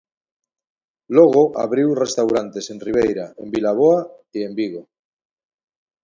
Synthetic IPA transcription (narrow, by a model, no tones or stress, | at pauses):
loɣ̞oʔa̰βɾiwrest̪awɾant̪e̞se̞nriβ̞ejɾaembilaβ̞oaie̞mbiɣ̞o